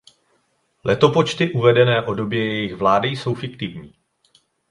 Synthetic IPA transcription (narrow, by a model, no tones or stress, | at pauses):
lʔɛt̪o̞po̞t͡ʃt̪ɪʔuvɛdɛnɛːʔo̞do̞bjɛjɛjɪxvlaːdɪjso̞wfɪkt̪ɪvɲiː